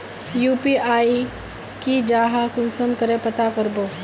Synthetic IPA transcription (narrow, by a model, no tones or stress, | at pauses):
juːpiʔaːi | kid͡ʒaːɦakũːsəmkəɾepɐt̪akəɾboː